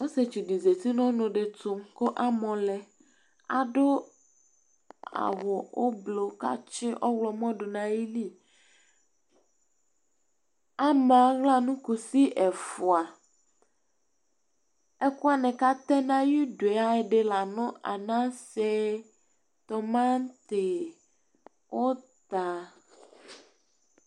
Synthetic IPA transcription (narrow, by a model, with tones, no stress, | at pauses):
wo˦se˨t͡ʃi˨di˨ze˨t̪i˦nɔ̃˦nõ˨ɖe˨t̪o˨mko˦ʔa˦mɔ̃˨lɛ˨ | a̰˨ɖo˦ | a̰˨wɔ˨o˦blo˨ka̰˦t͡ʃɪ˦ʔɔ˦wlɔ˨mɔ̃˦ɖo˨nã˨ji˦li˦ | a˦mɛ˨a˨ɣla˦nũ˦ku˨si˦ʔɛ˨fo˨a˨ | e˦ku˦a˦˨nɛ̃˨ka˦t̪ɛ̃˦nã˦ji˦ɖo˨e˨a˦e˨ɖe˨la˨nɔ̃˦ʔa̰˨nã˦sɛ˦ | t̪ɔ˨mã˦n˦t̪e˨ | wo˦t̪a˨